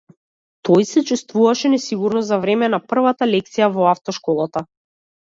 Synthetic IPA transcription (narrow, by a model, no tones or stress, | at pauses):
t̪ɔjsɛt͡ʃust̪vuvaʃɛnɛsiɡuɾnɔzavɾɛmɛnapr̩vat̪alɛk̚t̪sijavɔaft̪ɔʃkɔlˠat̪a